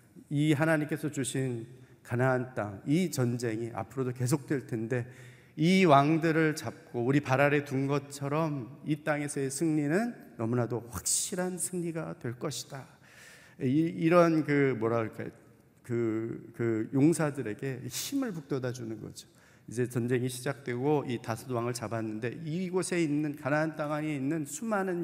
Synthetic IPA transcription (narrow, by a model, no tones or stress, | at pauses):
iɦanaɲimk͈e̞sʰʌt͡ɕuɕʰinkanaɦant͈aŋit͡ɕʌnd͡ʑe̞ŋiʔa̰pʰɯɾodoke̞s̬ʰok̚t͈we̞ɭtʰe̞nde̞ | iwaŋdɯɾɯɭt͡ɕap̚k͈ouɾipaɾaɾe̞tunɡʌt͡ɕʰʌɾʌmit͈aŋe̞sʰʌesʰɯŋɲinɯnːʌmunadoɸwak̚ɕ͈iɾansʰɯŋɲiɡadwe̞ɭk͈ʌɕʰi̥d̥a | iɾʌnkɯmwʌɾaɡɭk͈a̰jo̰ | kɯkɯjoŋsʰadɯɾe̞ɡe̞çimɯɭpuk̚t͈ʌdad͡ʑunɯnɡʌ̰d͡ʑo̥ | id͡ʑe̞t͡ɕʌnd͡ʑe̞ŋiɕʰid͡ʑak̚t͈we̞ɡoitasʰʌnwaŋɯɭt͡ɕabanːɯnde̞iɡosʰe̞inːɯnkanaɦant͈aŋaŋe̞inːɯnsʰumanɯn